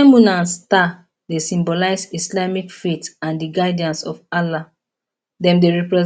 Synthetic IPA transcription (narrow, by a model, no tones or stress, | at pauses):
ɛmunãnsta | desĩmbɔlaɪsislamikfetãndiɡaɪdiãnsɔfala | dɛ̃mdeɹɛpɹɛ